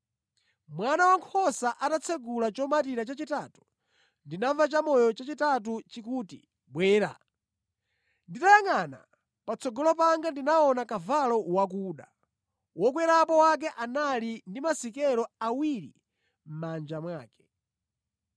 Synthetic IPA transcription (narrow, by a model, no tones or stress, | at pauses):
mwanawaŋkʰɔsaʔatat͡sʰɛɡulat͡ʃɔmat̬iɾat͡ʃat͡ʃitatu̥ | ndinaɱvat͡ʃamɔjɔt͡ʃat͡ʃitat̬ut͡ʃikuːtḭ | ɓwɛːɾa̰ | nditajaŋana̰ | pat͡sʰɔɡɔlɔpaŋɡandinaɔnakavalɔwak̬uːɗa | wɔk̬wɛɾapɔwak̬ɛʔanalindimasikɛɾɔawiɾḭ | m̩mand͡ʒamwaːkɛ̥